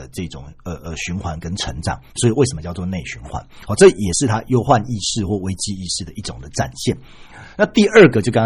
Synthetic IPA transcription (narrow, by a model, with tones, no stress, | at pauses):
ə˩ʈ͡ʂɤ˥˧˥ʈ͡ʂʊ˨˩ŋə˨˩ʔə˨˩ɕy˧˥nxwa˧˥nkə˦nʈ͡ʂʰə˧˥ŋʈ͡ʂɑ̰˨˩˦ŋswɔ˧˥i˨we˥˩ɪʂə˧˩mə˦t͡ɕjɑ˥˧ʊt͡swɔ˥˧ne˥˩ɪɕy˧˥nxwa̰˧˦nxɔ˥˧ʈ͡ʂɤ˥˩˨jɛ˨˩ʂɻ̩˥˩t̪ʰa˦jo˦˥ʊxwa˥˧ni˥˧ʂɻ̩˥˧xwɔ˥˩we˧˥ɪt͡ɕi˧˥i˥˧ʂɻ̩˥˩d̪ə˩i˥˩ʈ͡ʂʊ˨˩ŋd̪ə˦ʈ͡ʂa̰˨˩nɕjɛ˥˩n | na˥˧t̪i˥˧ə˞˥˩ɡə˩t͡ɕjo˥˩ʊkɑ̃˥ŋ